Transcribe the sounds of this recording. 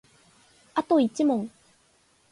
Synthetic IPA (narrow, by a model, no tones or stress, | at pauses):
at̪o̞it͡ɕimõ̞ŋ